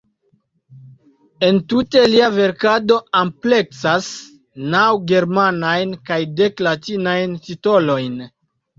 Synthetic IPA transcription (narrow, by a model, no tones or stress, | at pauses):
e̞ntute̞liave̞ɾkado̞ample̞ksas | nawɡe̞ɾmanajnkajde̞klatinajntito̞lo̞jn